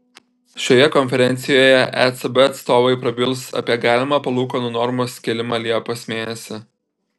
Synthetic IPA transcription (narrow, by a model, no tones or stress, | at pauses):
ʃʲoːjɛkɔnʲfʲɛɾʲɛnʲt̪sʲɪjoːjɛʔæt̪sɐbɛɐt̪st̪oːʋɐɪpɾɐbʲɪlˠˑsɐ̰pʲiɛɡɑːlʲɪmɑpɐlˠuːkoːnʊnɔɾmosʲkʲɛlʲɪmɑːlʲiɛpoːsmʲeːnʲɛsʲɪ